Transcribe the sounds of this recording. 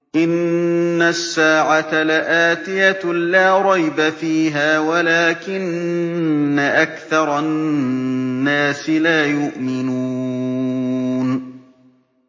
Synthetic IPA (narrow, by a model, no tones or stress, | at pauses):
ʔɪnːasːaːʕat̪alaʔaːt̪ɪjalaːɾˤɑjbafiːɦaːwalaːkɪnː | aʔakθɑɾˤɑ | aːsɪlaːjʊʔmɪnuː | n